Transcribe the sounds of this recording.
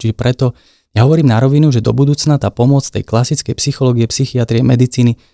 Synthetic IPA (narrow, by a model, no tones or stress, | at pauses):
t͡ʃiʒɛpɾɛt̪ɔ | jaɦɔʋɔɾiːmnaɾɔʋinuʒɛd̪ɔ̰bud̪uːt͡snat̪aːpɔmʊɔt͡st̪ɛ̰jklasit͡skɛjpsixɔlɔːɡiɛpsixiat̪ɾiɛmɛd̪it͡siːni